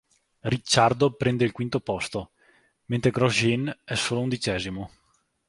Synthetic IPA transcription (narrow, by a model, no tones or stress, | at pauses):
rit͡ʃːard̪opɾɛnd̪eilkwint̪opɔst̪o | ment̪ɾeɡɾɔʒinɛsːoːlound̪it͡ʃɛːzimo